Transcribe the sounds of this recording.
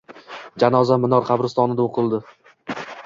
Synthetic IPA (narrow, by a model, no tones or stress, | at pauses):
d͡ʒanɒzamɪnɒɾqʰɑbɾɪst̪ɒnɪd̪aoqʰɨlˠd̪ɪ